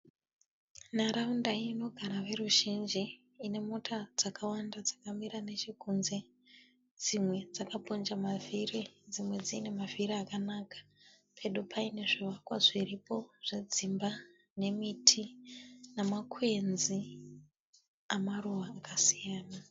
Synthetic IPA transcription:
naɾaundaino̞ɡʱaɾaʋe̞ruʒind͡ʒi | ine̞mo̞tʰad͡zakʰawandad͡zakamiɾane̞t͡ʃikunze̞ | d͡zimwe̞d͡zakapond͡ʒamavirid͡zimwe̞d͡zine̞mavʱiriakanakḁ | pʰe̞ɗupʰaine̞ʐiʋakwaʐiripo̞ʐ̥ed͡zimba | ne̞mitʰinamakʰwe̞nzi | amaruʋaːkasijaːna

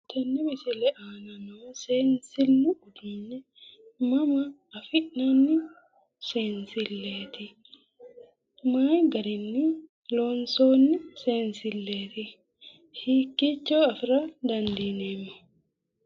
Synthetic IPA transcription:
t̪ʰɛnːɛmɛsɪlɛʔaːnɐnoːseːnsɪlnɪʊd̪ʊnːɛ | mɐmɐː | fɪʔnɐnːɪ | seːnsɪlːeːt̪ɪ | maːjɡɐɾɪnːɪ | loːnsoːnːɪseːnsɪlːeːt̪ɪ | hiːkːɪt͡ʃːoːɐfɾɐd̪ɐnd̪iːnemːɐ

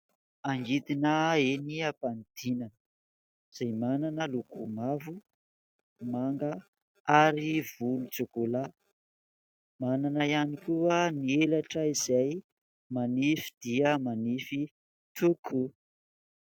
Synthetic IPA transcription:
aŋɡit̪inəeniapand̪̥inanə | z̥ajmananəlukumavu | maŋɡə | aɾiv̥ulut͡sekola | mananəianikuənielaʈ͡ʂəizaj | manifi̥d̪̥iəmanifi | t̪ʰukʰu

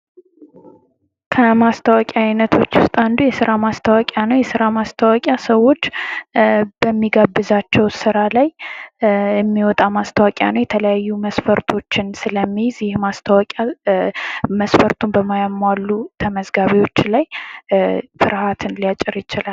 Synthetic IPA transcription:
kʰəmast̪ʰəwakʼaajnət̪ʰo̞t͡ʃːwʊst̪ʼand̪ujɛsɨɾamast̪ʰəwakʼjanəwjɛsɨɾamast̪ʰəwakʼjasəwo̞t͡ʃː | b̥əmːiɡabːɨzat͡ʃːɛwsɨɾalaj | jɛmːiwɔt̪ʼamast̪ʰəwakʼja̰nəwjɛt̪ʰələjajːuməsfəɾt̪ʰo̞t͡ʃːɪnsɨləmːizɪhmast̪ʰəwɔkʼa | məsfəɾt̪ʰumbəmajamːwalːut̪ʰəməzɡaβiwo̞t͡ʃːlaj | fɨɾhat̪ʰɨnlijat͡ʃʼːɪɾjɪt͡ʃɪlal

